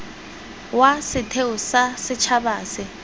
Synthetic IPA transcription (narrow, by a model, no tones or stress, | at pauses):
wasɪtʰeʊsasɪt͡ʃʰabaːsɪ